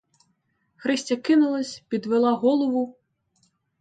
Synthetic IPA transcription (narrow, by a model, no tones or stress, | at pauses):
xɾɛsʲt͡sʲɐkinulˠɐsʲpʲid̪vɛlˠaɣɔlˠɐvu